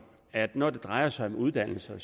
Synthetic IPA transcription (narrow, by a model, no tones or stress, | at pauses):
æd̥nɒd̥e̝d̥ʁɑ̈ɪɐsɑ̈ɪɒ̽muð̞ˠd̥æn̰l̩sɐs